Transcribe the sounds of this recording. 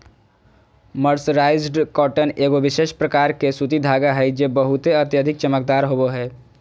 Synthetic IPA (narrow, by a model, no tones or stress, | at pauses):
məɾsɾaːɪzɖkɔːʈəneːɡoʋɪʃeːʃpɾəkaːɾkesut̪id̪ʱaːɡaɦɛd͡ʒebəɦʊt̪eət̪jəd̪ʱɪk̚t͡ʃəmək̚d̪aːɾɦoboɦɛː